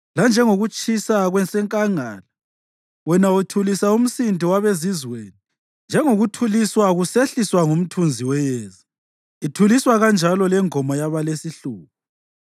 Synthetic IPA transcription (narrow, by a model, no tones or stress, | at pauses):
land͡ʒʱɛŋoɣut͡ʃʼisaɣwɛnsʼɛŋkʼaŋa̰ːla | wɛnautʰulisaum̩sindʱiwaβezizweːni | nd͡ʒʱɛŋoɣutʰuliswaɣuseɬiswaŋum̩tʰund͡zʱiwɛjɛːza | itʰuliswaɣand͡ʒʱalɔlɛŋɔmɔjaβalesiɬuːp̚ʰu